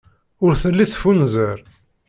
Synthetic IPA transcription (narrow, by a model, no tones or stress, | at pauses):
ʊɾθəlːiθfunzəɾ